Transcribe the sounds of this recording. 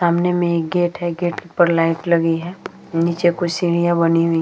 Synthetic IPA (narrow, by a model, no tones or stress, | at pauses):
aːmnemẽeːk̚ɡeːʈɦɛɡeːʈkipɐɾlaːɪʈlɐɡiɦɛː | niːt͡ʃekʊsiːɽ̃ijabɐniɦʊi